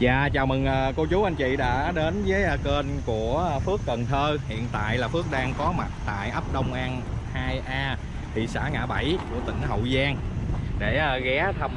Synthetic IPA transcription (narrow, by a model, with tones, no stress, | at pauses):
za̰ː˧˨t͡ɕaː˨˩wmɨ˨˩ŋʔəː˨˩ko˧t͡ɕu˨˦ʔa˧jŋ̟t͡ɕḭ˧˨ɗa̰ː˧˥ɗe˨˦nzəː˨˦jːke˧nku˧˩əfɨ˦˥əkːə˨˩nt̪ʰəː˧hḭ˧˨ənt̪a̰ː˧˨jlaː˨˩fɨ˦˥ək̚ɗaː˧ŋkɔ˨˦ma˨˩t̚t̪a̰ː˧˨jʔə˦˥p̚ɗə˧wŋ͡mʔa˧n | haː˧jʔaː˧ | t̪ʰi˨˩sa̰ː˧˩ŋa̰ː˧˩ɓa˧˩jku˧˩ət̪ḭ˧˩ŋ̟hə̰˧˨wzaː˧ŋɗe˧˩ʔɣɛ˨˦t̪ʰə˧m